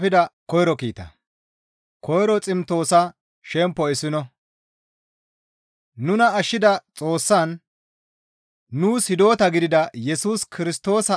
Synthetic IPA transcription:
pɪd̪ɐkɔjɾɔkiːt̪ɐ̰ | kɔjɾɔt͡sʼɪmt̪o̞ːsɐ | ʃɛmpːɔɪsːɪnɔ | nʊnɐːʃːɪd̪ɐt͡sʼo̞ːsːɐn | uːshɪd̪o̞ːt̪ɐɡɪd̪ɪd̪ɐjɛsuːskʰɪɾɪst̪o̞ːsɐ

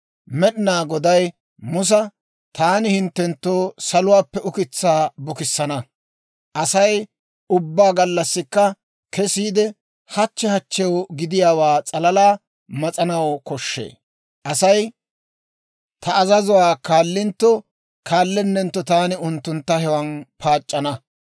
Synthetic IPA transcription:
mɛɗɪnaːɡɔd̪ɐj | mʊs̬ɐ | t̪aːnɪhɪnt̪ːɛnt̪ːoːsɐlʊwaːpːɛʊkɪt͡sːaːbʊkɪsːɐnɐ | ʔɐsɐj | ʊbːaːɡɐlːɐsːɪkːɐ | kɛsiːd̪ɛ | hɐt͡ʃːɛhɐt͡ʃːɛwɡɪd̪ɪjaːwaːt͡sʼɐlɐlaː | mɐt͡sʼɐnɐwkɔʃːḛː | ʔɐsɐj | t̪ʰɐːzɐzʊwaːkaːlːɪnt̪ːɔ | kʰaːlːɛnːɛnt̪ːɔt̪aːnɪʊnt̪ːʊnt̪ːɐhɛwɐnpʰaːt͡ʃʼːɐnɐ

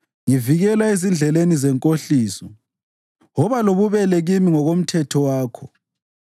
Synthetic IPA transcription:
ŋiviɣɛlaezind͡ɮʱɛlenizɛŋkʼoɬiːsɔ | ɦɔβaloβuβɛlɛɣimiŋɔɣom̩tʰɛtʰɔwaːkʰɔ

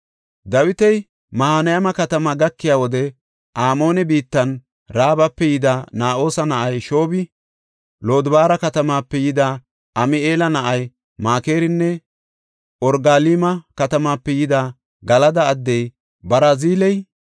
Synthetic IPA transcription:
d̪ɐwɪt̪ɛj | mɐhanɐjɐmɐkɐt̪ɐmɐɡɐkːɪjaːwɔd̪ɛ | ʔaːmo̞ːnɛbiːt̪ːɐn | ɾaːbɐpːɛjɪd̪anaːʔo̞ːsɐnɐʔɐjʃo̞ːbɪ | lo̞ːd̪baːɾɐkɐt̪ɐmaːpːɛjɪd̪aː | ʔɐmɪeːlɐnɐʔɐj | maːke̞ːɾɪnːɛ | ʔɔɾɡaːliːmɐkɐt̪ɐmaːpːɛjɪd̪aː | ɡɐlɐd̪ɐːd̪ːɛj | bɐɾaːziːlɛj

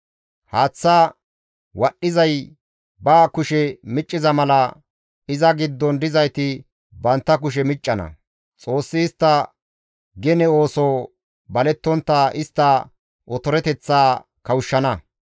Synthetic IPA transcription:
haːt͡sːaː | wɐɗːɪzɐj | baːkʊʃɛmɪt͡ʃʼːɪzɐmɐlɐ | ɪzɐɡɪd̪ːɔnd̪ɪzɐjt̪ɪ | bɐnt̪ːɐk̬ʊʃ̬ɛmɪt͡ʃʼːɐnɐ̰ | t͡sʼo̞ːsːɪːst̪ːɐ | ɡɛnɛo̞ːsoː | bɐlɛt̪ːɔnt̪ːaːʔɪst̪ːa | ʔɔt̪ɔɾɛt̪ɛt͡sːaː | kɐwʊʃːɐnɐ

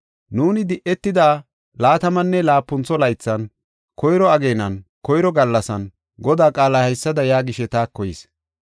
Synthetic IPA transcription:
nuːnɪd̪ɪʔɛt̪ːɪd̪aː | laːt̪ɐmɐnːɛlaːpːʊnt͡sːɔlɐjt͡sːɐn | kɔjɾɔɐɡe̞ːnɐnkɔjɾɔɡɐlːɐsɐn | ɡɔd̪aːkʼaːlɐhɐjsːɐd̪ɐjaːɡɪʃɛt̪aːkːɔjɪs

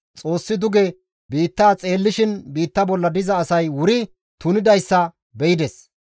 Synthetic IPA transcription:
t͡sʼo̞ːsːɪd̪ʊɡɛ | biːt̪ːaːt͡sʼe̞ːlːɪʃɪnbiːt̪ːɐbɔlːɐd̪ɪzɐːsɐjwʊɾɪ | t̪ʊnɪd̪ɐjsːɐ | bɛjɪd̪ɛs

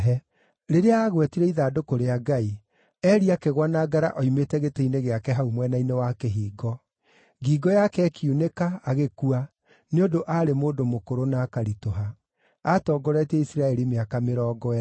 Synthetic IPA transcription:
ɦɛ | ɾeɾeaːɣwɛtiɾɛiðadokoɾeaɡai | ɛːɾiakeɣwanaɡaɾa̰ʔɔimetɛɣeteineɣeakɛɦaumwɛnainewakeɦiːɡɔ | ɡiːɡɔjakɛːkjunekaːɣekua | neodoʔaɾemoːdomokoɾonaːkaɾitoɦa | atɔːɡɔɾɛtɛisiɾaɛɾimeakameɾɔːɡɔa

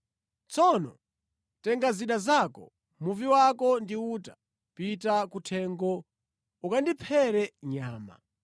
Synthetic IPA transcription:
t͡sʰɔnɔ̰ | tɛŋɡaziɗazakɔ̰ | muviwakɔndiuːta | pitakutʰɛːŋɡɔ | ukandipʰɛɾɛɲaːma̰

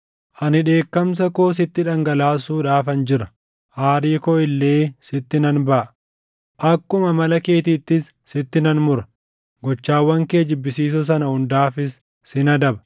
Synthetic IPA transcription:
ʔɐnɪᶑe̞ːkːɐms̬ɐkoːs̬ɪt̪ːɪᶑɐŋɡɐlaːs̬uːᶑaːfɐnd͡ʒɪɾɐ | ʔaːɾiːkɔɪlːe̞ːsɪt̪ːɪnɐnbɐʔɐ | ʔɐkːʊmɐmɐlɐke̞ːt̪iːt̪ːɪsːɪt̪ːɪnɐnmʊɾɐ̥ | ɡɔt͡ʃːaːwːɐŋkeːd͡ʒɪbːɪsiːs̬ʊs̬ɐnɐhʊnd̪aːfɪs | sɪnɐd̪ɐbɐ̥

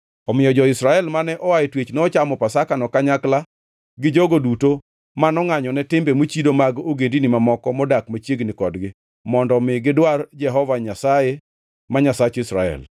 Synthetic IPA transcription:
ɔmɪjɔd͡ʒɔɪsɾaɛlmanɛʔɔwaetwet͡ʃnɛɔt͡ʃamɔpasakanɔkaɲakla | ɡɪd͡ʒoɡoduto | manɔŋaɲɔnɛtɪmbemot͡ʃidomaɡoɡendinɪmamɔkɔmɔdakmat͡ʃjeɡnɪkɔdɡɪ | mɔndɔmɪɡɪdward͡ʒɛɦɔvaɲasaje | maɲasat͡ʃɪsɾa̰ɛ̰l

